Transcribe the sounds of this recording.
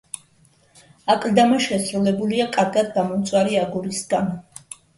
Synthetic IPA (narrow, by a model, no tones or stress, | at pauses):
akʼld̪amaʃɛsɾulɛbuliakʼaɾɡad̪̚ɡamɔmt̪sʼwaɾiaɡuɾisɡan